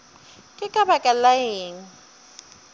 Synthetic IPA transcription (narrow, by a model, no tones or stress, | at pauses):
kʼɪkʼabakʼalaeːŋ̩